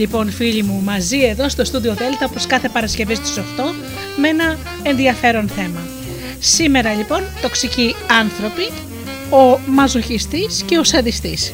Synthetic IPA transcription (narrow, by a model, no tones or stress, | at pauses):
ʎipo̞nfiʎimumɐzie̞ðo̞st̪o̞st̪uðio̞ðe̞lt̪ɐopo̞skɐθe̞pɐɾɐsce̞vist̪u̥soxt̪o̞ | mee̞nɐ | enðiɐfe̞ɾo̞nθe̞mɐ | sime̞ɾɐʎipo̞nt̪o̞ksiciɐnθɾo̞pi | o̞mɐzo̞çist̪isce̞osɐðist̪is